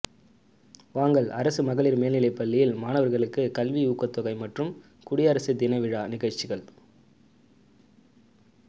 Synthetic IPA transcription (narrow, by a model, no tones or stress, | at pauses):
ʋaːŋɡɐɭʔɐɾɐsɯmɐɣɐɭɪɾmeːlnɪlɐɪpːɐɭːɪjɪlmaːnɐʋɐɾɣɐɭɯkːɯkɐlʋiuːkːɐt̪ːɔɣɐɪmɐʈrɯm | kʊɽɪɐɾɐsɯd̪ɪnɐɪʋɪɻaːnɪɣɐɻt͡ʃːɪɣɐɭ